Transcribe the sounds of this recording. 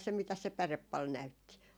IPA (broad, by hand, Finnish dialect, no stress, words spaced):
se mitæs se pærep pɑl næytːi